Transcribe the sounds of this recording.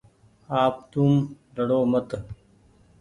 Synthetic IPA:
aːp̚t̪um | lɐɽoːmɐt̪

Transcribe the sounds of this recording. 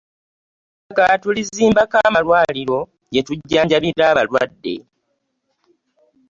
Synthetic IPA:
akatuliziːmbakaːmalwaːliɾo̞ | ɟetuɟːaːɲɟaβiɾaːβalwa̰dːe̞̰

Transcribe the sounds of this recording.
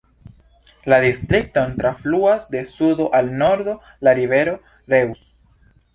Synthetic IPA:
ladist̪ɾik̚to̞ntɾafluasde̞sudo̞ʔalno̞ɾd̪o̞ | laɾive̞ɾo̞ | ɾe̞us

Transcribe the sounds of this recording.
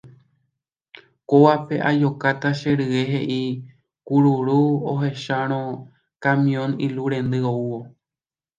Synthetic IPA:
koʋape̞ʔajo̞kat̪aʃe̞ɾɨwe̞ɦeʔi | kuɾuɾuoɦe̞ʃaɾ̃õ̞ | kãmĩõ̞niluɾẽ̞nd̪ɨouwo̞

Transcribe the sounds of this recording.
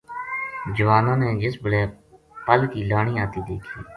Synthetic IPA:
d͡ʒəʋaːnãːnẽːd͡ʒɪsbəlɛː | pəlkiːlaːɳ̃ĩːaːt̪iːd̪ḛːkʰiː

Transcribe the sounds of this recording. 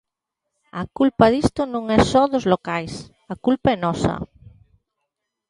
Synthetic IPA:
ɐkulpɐðist̪ʊnõŋɛsɔðʊzlokajs | ɐkulpaɛnɔsɐ̰

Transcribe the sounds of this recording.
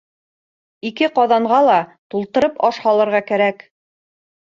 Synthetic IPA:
ikɘqɑðɑɴʁɑlˠɑt̪ulˠt̪ɤ̆ɾɤpɑʃhɑlˠɤ̆ɾʁɑkæɾæk

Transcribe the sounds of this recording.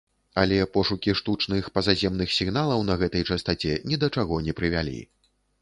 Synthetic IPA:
ɐlʲɛpɔʂukʲiʂt̪ut͡ʂnɨxpɐzazʲɛmnɨxsʲiɣnalˠɐwn̪ɐɣɛt̪ɐjt͡ʂɐst̪at͡sʲɛnʲɛd̪ɐt͡ʂaɣɔnʲɛpɾɨvʲalʲḭ

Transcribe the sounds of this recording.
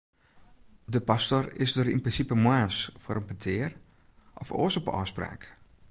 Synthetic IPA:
dəpastorɪ̰sdəɾinprɪnsipəmwaːsfoɾənpətʰɪər | ʔɔfo̰ːsɔpɔ̰ːspra̰ːk

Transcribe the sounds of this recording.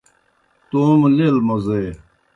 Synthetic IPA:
t̪oːmlelmoze

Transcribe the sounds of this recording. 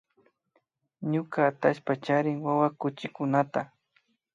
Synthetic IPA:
ɲʊkaːt̪aʃpat͡ʃaɾɪŋwawakʊt͡ʃɪkʊnat̪a

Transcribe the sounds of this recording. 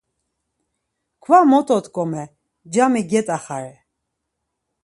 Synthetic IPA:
kʰvamɔt̪ʼɔt̪kʼɔmɛ | d͡ʒamiɡɛt̪ʼaχaɾɛ

